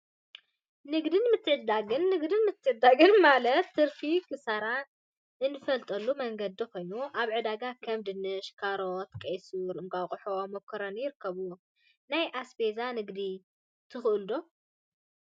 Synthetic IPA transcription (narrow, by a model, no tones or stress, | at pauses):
nɨɡd̪ɨnmɨt̪ʰːɨʕɨd̪aɡɨnːɨɡd̪ɨnmɨt̪ʰːɨʕɨd̪ːaɡɨnmalɐt̪ːɨɾfikʰɨsaɾa | ɨnːɨfɐlt̪ʼɐlːumɐŋɡɐd̪ːiko̞jnuʔaβʕɨd̪aɡakʰɐmd̪ɨnɨʃkʰaɾot̪kʼejsuɾɨŋɡʼawχʼʊħomokʰɐɾɐnjɪɾɨkʰːɐβu | najʔasbezanɨɡd̪i | t̪ʰɨxɨʔɨld̪o